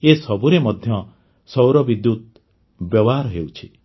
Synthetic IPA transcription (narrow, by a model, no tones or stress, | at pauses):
esɔbuɾemɔd̪ʱjɔ | sɔwɾɔbid̪jut̪̚ | bjɔbɔɦaɾɦewt͡ʃʰi